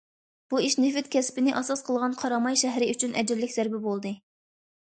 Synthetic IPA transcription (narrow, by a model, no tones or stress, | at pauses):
b̥uiʃnɪfɪt̪̚kʲʰɛspɪnɪʔɑsɑsqʰəlˠʁɑnqʰɑɾɑmɑjʃɛɦɾɪyt͡ʃʰynʔɛ̰d͡ʒɾlɪkʲzæɾbɪbolˠd̪ɨ